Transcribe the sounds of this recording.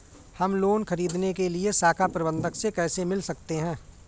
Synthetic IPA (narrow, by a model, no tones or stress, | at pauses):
hɐmloːnkʰɐɾiːd̪nekeliesaːkʰapɾɐbə̃nd̪ʱəksekɛːsemɪlsɐk̚t̪eɦɛ̃ː